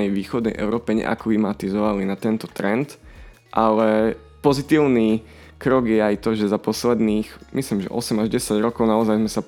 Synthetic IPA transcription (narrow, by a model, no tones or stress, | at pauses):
ɛjʋiːxɔd̪̚nɛ̰jʔɛ̰ʊɾɔːpɛɲɛ̰ʔa̰klimat̪izɔʋalinat̪ɛnt̪ɔt̪ɾɛnt̪ | ʔalɛ | pɔzit̪iːʊni | kɾɔɡjɛajt̪ɔʒɛzapɔslɛd̪niːxmisliːmʒɛ̰ʔɔsɛmaʒɟɛsaɟɾɔkɔʊnaɔzajzmɛsa